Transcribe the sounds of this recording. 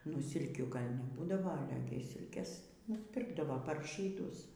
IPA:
nʊ ˈsʲɪlʲkʲuː ˈɡɐlʲ nʲɛˈbuːdɐʋɐ ɐˈlʲɛ ɡʲɪ ˈsʲɪlʲkʲeːs nʊsʲˈpʲɪrɡdɐʋoː pɐr ʒʲiːˈdʊs

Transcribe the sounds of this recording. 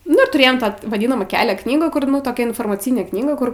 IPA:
nʊ ɪr tʊˈrʲeːjoːm ˈtɑː ʋɐˈdʲɪnɐmɑː ˈkʲæːlʲɛ ˈknʲiːɡuː ˈkʊr toːˈkʲɛ ɪnfoːrmɐˈt͡sʲɪnʲeː ˈknʲiːɡɐ ˈkʊr

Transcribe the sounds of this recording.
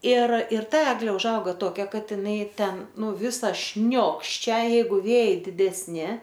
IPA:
ɪr ɪr ˈtɐ ˈæːɡlʲeː ʊʒˈɐʊɡɐ toːˈkʲɛ ˈkɐt ɪˈnɐɪ ˈtʲɛn ˈnʊ ˈʋʲɪsɐ ˈʃʲnʲoːkʃʲt͡ʃʲɛ ˈjɛɪɡʊ ˈʋʲeːjɛɪ dʲɪdʲɛsʲˈnʲɪ

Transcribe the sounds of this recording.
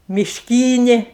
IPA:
mʲɪʃʲˈkʲiːnʲeː

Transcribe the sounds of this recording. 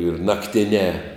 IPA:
ɪr nɐkˈtʲɪnʲɛː

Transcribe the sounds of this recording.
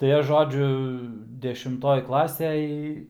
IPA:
tɐɪ ˈɐʃ ˈʒoːd͡ʒʲʊ dʲɛʃʲɪmˈtoːj ˈklˠɑːsʲɛj

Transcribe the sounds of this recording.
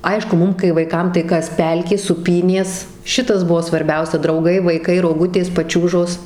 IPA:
ˈɐɪʃkʊ ˈmʊm kɐɪ ʋɐɪˈkɐm tɐɪ ˈkɐs ˈpʲɛlʲkʲeː suːˈpʲiːnʲeːs ˈʃʲɪtɐs ˈbʊʋoː sʋɐrʲˈbʲɛʊsʲɛ drɐʊˈɡɐɪ ʋɐɪˈkɐɪ roːˈɡʊtʲeːs pɐˈt͡ʃʲuːʒoːs

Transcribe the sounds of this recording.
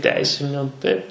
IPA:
ˈtʲɛɪsʲɪnʲʊ tɐɪp

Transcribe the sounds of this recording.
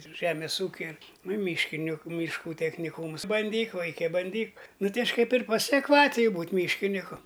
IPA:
ˈʒʲæːmʲeːs ˈuːkʲɛ ɪr nʊ ɪ ˈmʲiːʃʲkʲɪnʲɪkʊ mʲiːʃˈkuː tʲɛxʲnʲɪˈkuːms bɐnʲˈdʲiːk ˈʋɐɪkʲɛ bɐnʲˈdʲiːk ˈnʊ ˈtɐɪ ˈɐʃʲ kɐɪp ɪr pɐsʲɛkˈʋɑːtʲɪjʊ ˈbuːtʲ ˈmʲiːʃʲkʲɪnʲɪkʊ

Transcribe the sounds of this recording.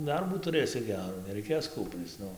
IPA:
ˈdɐrbuː tʊˈrɘsʲɪ ˈɡʲæːruː nʲɛrɐɪˈkʲeːs ˈkuːpʲrʲiːt͡s ˈnʊ

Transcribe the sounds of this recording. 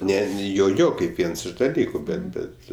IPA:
ˈnʲɛ ˈjoː ˈjoː kɐɪp ˈʋʲiɛns ɪʃ dɐˈlʲiːkʊ ˈbʲɛt ˈbʲɛt

